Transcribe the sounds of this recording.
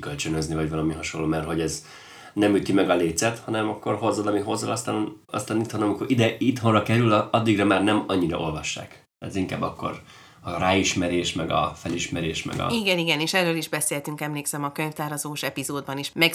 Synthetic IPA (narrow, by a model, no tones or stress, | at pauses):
kølt͡ʃønøznivɒɟvɒlɒmiɦɒʃo̞nlːoːmɛrɦo̞ɟɛz | nɛmyt̪imɛɡɒleːt̪sɛt̪hɒnɛmɒkːo̞rɦo̞zːɒlɒmiɦo̞zːɒlɒst̪aːnn | ɒ̰st̪aːnit̪honɒmikoɾid̪ɛit̪ho̞nrɒkɛɾylɒd̪ːiɡrɒmaːrnɛmɒɲːiɾɒ̰ʔo̞lvɒʃːa̰ːk | ɛ̰ziŋka̰ːbːɒkːo̞̰r | ɒɾaːiʃmɛɾeːʃmɛɡɒ̰fɛliʃmɛɾeːʃmɛ̰ɡɒ̰iɡɛniɡɛneːʃɛrːøːliʒbɛseːhɛt̪yŋkɛmleːksɛmɒkøɲft̪aːɾɒzoːʃɛpizoːd̪̚bɒniʃmɛk